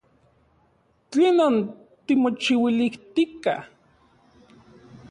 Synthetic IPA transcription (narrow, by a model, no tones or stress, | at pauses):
t͡ɬeːnan | t̪imot͡ʃiwiliht̪ika̰h